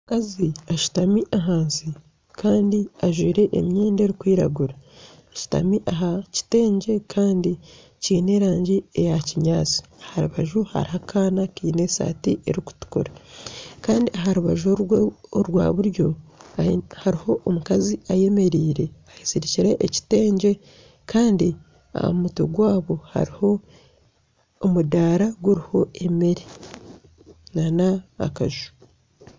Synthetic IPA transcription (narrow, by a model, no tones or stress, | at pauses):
omukaziaʃu̥tamiʔaɦaːnsi | kaːndiaʒwiːɾe̞ʔḛmjeːnde̞ːɾikwiːɾa̰ɡuɾa | ʃi̥ta̰miʔaɦaci̥te̞ːɲɟe̞kʰaːndi | ciːne̞ːɾaːɲɟiejaciɲaːt͡si̥ahaɾuβaʒuha̰ɾihakʰaːnakiːne̞sa̰ːtiʔḛɾiku̥tu̥kṵɾakaːndiaɦaɾuβaʒooɾɡwa̰ːβuɾjo̞ | haɾiho̞ʔːmukaziaje̞me̞ɾiːɾe̞ahisiɾiciɾe̞ʔːci̥te̞ːɲɟe̞ | kʰaːndi | a̰mutṵɡwaːβo̞ha̰ɾiho̞ | mudaːɾaɡuɾiho̞e̞meɾi | nana̰ːkaʒu̥